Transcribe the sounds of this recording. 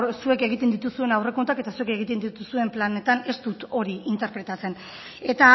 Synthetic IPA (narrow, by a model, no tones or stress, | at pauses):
sue̞ke̞ɣ̞it̪e̞nd̪it̪usue̞nawre̞kont̪ake̞t̪asue̞ke̞ɣit̪e̞nd̪it̪usue̞mplane̞t̪ane̞st̪ut̪o̞ɾiint̪e̞ɾpɾe̞t̪at͡se̞n | e̞t̪a